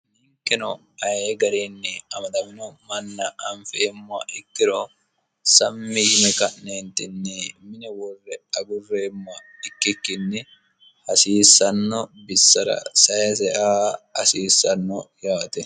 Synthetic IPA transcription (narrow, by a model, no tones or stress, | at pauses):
nɪŋkʼːɪnɔ | ɐjeːɡɐɾenːɛɐmɐt̪ɐmɪnɔmɐnːɐʔɐɱfeːmːʊɐ̰ʔɪkːɪɾɔ | sɐmːɪhɪmɛkɐʔneːnt̪ːɪnːɛmɪnɛwɔrːɛɐɡʊrːe̞ːmːʊɐ | ɪkːɪkːɪnːɛ | hɐsiːsːɐnːɔbɪsːɐɾɐ̰sɐjɐsɛʔaːhɐsiːsːɐnːɔjaːt̪ɛ